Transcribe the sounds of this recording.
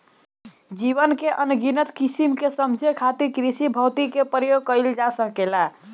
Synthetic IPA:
d͡ʒiβənkeʔənɡinət̪kisimkesəmd͡ʒʱekʰat̪iɾkɾisibʱəwt̪ikepɾəjoɡ̚kəjld͡ʒasəkela

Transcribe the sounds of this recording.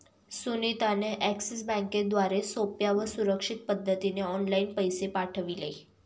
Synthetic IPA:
sunit̪aneʔæksis̬bɛ̃ŋked̪ʋaɾesopjaʋəsuɾəkʂit̪̚pəd̪ʱːət̪ineɔnlainpəjsepaʈʰəʋile

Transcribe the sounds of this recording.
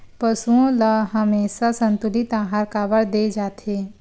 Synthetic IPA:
pəsuõləɦəmeːsasə̃nt̪ʊlit̪ãːɦaːɾkaːbəɽd̪eːd͡ʒaːt̪eː

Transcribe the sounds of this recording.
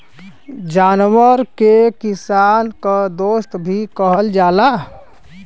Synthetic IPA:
d͡ʒaːnwəɾkekɪsaːnkad̪oːst̪bʱikəɦəld͡ʒaːla

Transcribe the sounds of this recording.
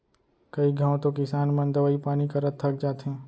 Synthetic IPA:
kɐiɡʱãːõt̪okɪsaːnmɐ̃nd̪əʋaːipaːnikɐɾət̪ʰːɐk̚d͡ʒaːt̪ɦɛ̃ː

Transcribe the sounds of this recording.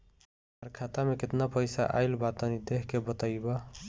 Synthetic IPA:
aɾkʰat̪ameket̪napəjsa̰ʔa̰jlbat̪ənid̪eɦʰkebət̪ajbə

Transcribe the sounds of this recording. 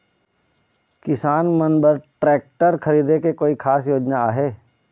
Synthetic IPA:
kɪsaːnmə̃nbəɾʈɾɛːk̚ʈəɾkʰɐɾiːd̪ekekoːikʰaːsjoːd͡ʒnaaːɦeː

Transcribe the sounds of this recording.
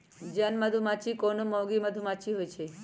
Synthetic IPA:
d͡ʒanməd̪ʱumat͡ʃʰikonomɔwɡiməd̪ʱumat͡ʃʰiɦojt͡ʃʰe

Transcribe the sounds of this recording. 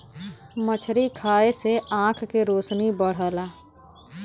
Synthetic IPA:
mət͡ʃʰɾikʰaːeseʔãːkʰkeɾoːsnibəɽ̤əːlaː

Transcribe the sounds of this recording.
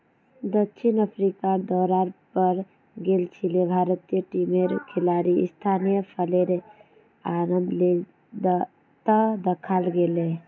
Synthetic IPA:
d̪əkːʃʰinəpʰɾikad̪ɔɾaɾpəɾ | ɡelt͡ʃʰilebʱaɾət̪ijəʈimeɾkʰelaɾiḭst̪ʰanijəpʰəleɾe | aɾəmd̪le | d̪ | t̪əd̪əkʰalɡele

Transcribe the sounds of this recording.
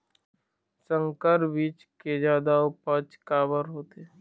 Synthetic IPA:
sə̃ŋkəɾʋit͡ʃked͡ʒaːd̪aopət͡ʃkaːbəɾɦoːt̪e

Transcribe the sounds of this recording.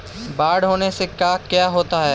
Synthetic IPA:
baːɽɦoːnesekjaːkjaːɦoːt̪aɦɛː

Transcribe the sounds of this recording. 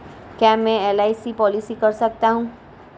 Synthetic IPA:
kjamɛ̃elaisipɔlisikəɾsəkt̪aɦũː

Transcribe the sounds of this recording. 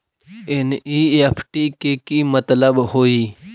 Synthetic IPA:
eniepʰʈikekimɐt̪ləbhoːiː

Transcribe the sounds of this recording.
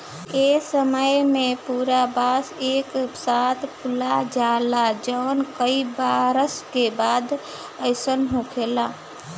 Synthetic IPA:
esəməjmepuɾabaseksat̪ʰpulad͡ʒalad͡ʒəʊnkəibaɾəskebad̪ | əɪsənɦũkʰela

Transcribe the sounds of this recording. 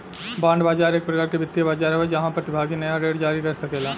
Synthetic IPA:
bãːɳɖbaːd͡ʒaːɾeːk̚pɾɡaɾkebɪt̪ːijəbaːd͡ʒaːɾɦoed͡ʒɐɦãpɾɐt̪ɪbʱaːɡinɐjaɾeːɖd͡ʒaːɾikɐɾsɐkeːlaː

